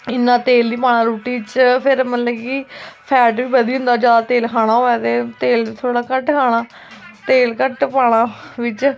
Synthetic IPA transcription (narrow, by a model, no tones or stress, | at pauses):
ɪnːãːt̪eːld̪iːpaːɽ̃ãːɾuːʈiːʋɪt͡ʃpʰɪɾməlɛːkiːpʰɛːʈʋiːbəd̪iːɦʊ̃nd̪aːd͡ʒjaːd̪aːt̪eːlkʰaːɽ̃ãːɦoːaːt̪eːt̪eːlit̪ʰoːɽaːkəʈkʰaːɽ̃aː | t̪eːlkəʈpaːɽ̃aːʋɪt͡ʃ